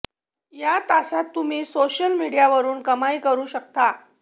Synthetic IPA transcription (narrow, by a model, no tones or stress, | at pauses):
jat̪asat̪ːum̤iːsoɕəlmiɽijaʋəɾuːnkəmaikəɾuːɕək̚t̪a